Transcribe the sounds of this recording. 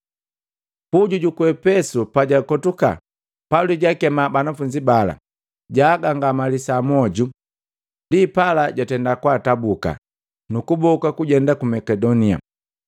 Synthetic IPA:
puɟuɟukuɛpɛsupaɟakɔtuka̰ | paliɟakɛmabanafuɲd͡ʒibala̰ | ɟaːɡaŋɡamalisamɔɟu | ndipalaɟatɛndakwatabuka̰ | nukubɔkakuɟɛndakumɛkɛdɔnia̰

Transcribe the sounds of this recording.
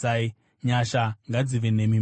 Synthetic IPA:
ai | ɲaʃaŋɡad͡ziʋenemim

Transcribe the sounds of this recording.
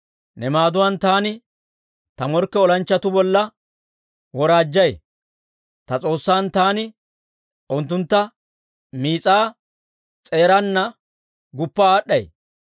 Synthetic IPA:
nɛmaːd̪ʊwant̪aːnɪ | t̪ɐmɔɾkːɛɔlɐnt͡ʃːɐt̪ʊbɔlːɐ | wɔɾaːd͡ʒːɐj | t̪ɐt͡sʼo̞ːsːaːnt̪aːnɪ | ʔɔnt̪ːʊnt̪ːɐ | miːt͡sʼaː | t͡sʼe̞ːɾɐnːɐ | ɡʊpːaːɗːɐj

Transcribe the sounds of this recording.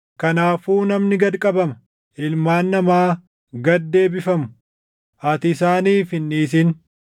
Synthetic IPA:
kɐnaːfuːnɐmnɪɡɐd̪kʼɐbɐmɐ | ɪlmaːnːɐmaː | ɡɐd̪ːe̞ːbɪfɐmʊ̥ | ɐt̪ɪsaːniːfɪnːiːs̬ɪn

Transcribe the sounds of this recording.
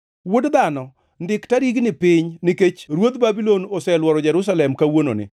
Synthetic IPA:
wʊdd̪anɔ | ndɪktaɾiɡnɪpɪɲnɪket͡ʃɾwot̪babilonosɛlwɔɾɔd͡ʒɛɾʊs̬alɛmkawono̰nɪ̰

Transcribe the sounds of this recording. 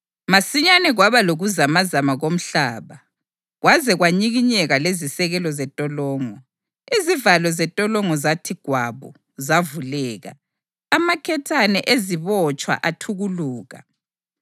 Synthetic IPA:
masiɲanɛɣwaβaloɣuzamazamaɣom̩ɬaːβa | ɣwazɛɣwaɲiɣiɲɛɣalezisɛɣɛlɔzɛtʼɔlɔːŋɔ | izivalɔzɛtʼɔlɔŋɔzatʰiɡ̥ʱwaβṵ | zavulɛːɣa̰ː | makʰɛtʰanɛʔeziβɔt͡ʃʼwa̰ʔatʰuɣuluːɣa̰

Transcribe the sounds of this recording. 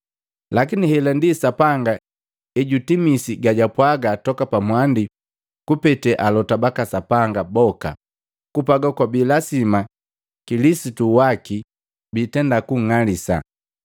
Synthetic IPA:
lakinihɛlandisapaŋɡa | ɛɟutimisiɡaɟapwaɡatɔkapamwandi | kupɛtɛʔalɔtabakasapaŋɡabɔka̰ | kupaɡakwabilasima | kilisituwaki | bitɛndakuŋ̩ŋalisa̰

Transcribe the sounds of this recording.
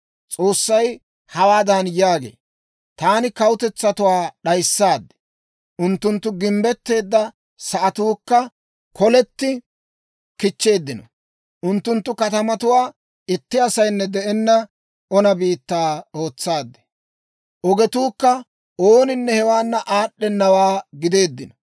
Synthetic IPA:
t͡sʼo̞ːsːɐj | hɐwaːd̪ɐnjaːɡḛː | t̪aːnɪkɐwʊt̪ɛt͡sːɐt̪ʊwaːɗɐjsːaːd̪ːɛ̥ | ʔʊnt̪ːʊnt̪ːʊɡɪmbɛt̪ːe̞ːd̪ːɐ | sɐʔɐt̪uːkːɐ | kɔlɛt̪ːɪ | kɪt͡ʃːe̞ːd̪ːɪnɔ | ʔʊnt̪ːʊnt̪ːʊkɐt̪ɐmɐt̪ʊwaː | ɪt̪ːɪɐsɐjnːɛd̪ɛʔɛnːɐ | ɔnɐbiːt̪ːaːo̞ːt͡sːaːd̪ːɛ̥ | ʔɔɡɛt̪uːkːɐ | ʔoːnɪnːɛhɛwaːnːɐʔaːɗːɛnːɐwaːɡɪd̪e̞ːd̪ːɪnɔ

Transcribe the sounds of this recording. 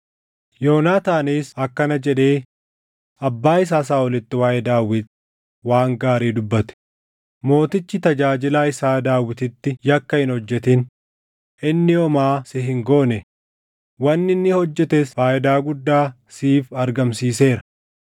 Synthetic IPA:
joːnaːt̪aːniːsɐkːɐnɐd͡ʒɛᶑe̞ː | ɐbːaːɪs̬aːs̬aːɔlɪt̪ːɪwaːʔɛd̪aːwɪt̪ | waːŋɡaːɾiːd̪ʊbːɐt̪ɛ̥ | mo̞ːt̪ɪt͡ʃːɪt̪ɐd͡ʒaːd͡ʒɪlaːɪsaːd̪aːwɪt̪ɪt̪ːɪjɐkːɐhɪnhɔd͡ʒːɛt̪ɪn | ʔɪnːɪɔmaːsɪɦɪŋɡo̞ːnɛ | wɐnːɪnːɪhɔd͡ʒːɛt̪esfaːʔɪd̪aːɡʊd̪ːaː | siːfɐɾɡɐmsiːse̞ːɾɐ

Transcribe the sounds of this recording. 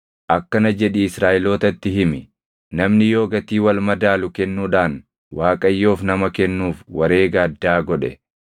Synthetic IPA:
ʔɐkːɐnɐd͡ʒɛᶑiɪsɾaːʔɪlo̞ːt̪ɐt̪ːɪɦɪmɪ | nɐmnɪjo̞ːɡɐt̪iːwɐlmɐd̪aːlʊkɛnːuːᶑaːn | waːkʼɐjːo̞ːfnɐmɐkɛnːuːfwɐɾe̞ːɡaːd̪ːaːɡɔᶑɛ̰

